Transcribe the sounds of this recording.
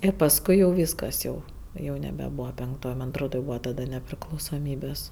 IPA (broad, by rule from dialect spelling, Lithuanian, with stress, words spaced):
ˈɪr pɐsˈkʊɪ jɛʊ ˈʋʲiːskɐs jɛʊ jɛʊ nʲɛbʲɛˈbuːʋɐ pʲɛŋkˈtoːj ˈmɐn ɐtˈroːt jɛʊ ˈbuːʋɐ tɐˈdɐ nʲɛpʲrʲɪklˠɐʊsoːˈmʲiːbʲeːs